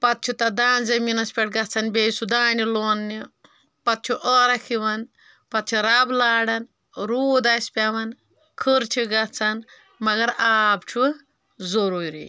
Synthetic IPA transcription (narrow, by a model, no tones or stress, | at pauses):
pɐt̪̚t͡ʃʰut̪ɐd̪aːnzɐminɐspʲeʈ̚ɡɐt͡sʰɐnbʲeːsud̪aːniloːnːi | pɐt̪̚t͡ʃʰuʔəɾɐkʰiʋɐn | pɐt̪̚t͡ʃʰuɾɐblaːɽɐn | ɾuːd̪ɐspʲaʋɐn | kʰɨɾt͡ʃʰiɡɐt͡sʰɐn | mɐɡɐɾaːb̚t͡ʃʰu | zoɾuɾḭ